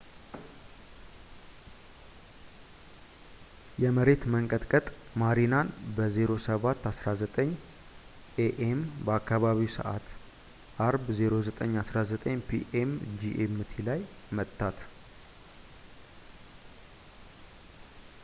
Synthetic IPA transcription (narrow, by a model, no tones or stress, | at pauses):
jɛməɾe̞t̪məŋkʼət̪ʼkʼət̪ʼmaɾinanbəzeɾo̞səβat̪ːasɾazət̪ʼəɲː | ʔeʔembəakʰːaβaβiwsə̰ʔa̰t̪ | ʔaɾbzeɾo̞zət̪ʼəɲːasɾazət̪ʼəɲːpʰḭʔemd͡ʒiʔemɨt̪ʰilaj | mət̪ʰʼːat̪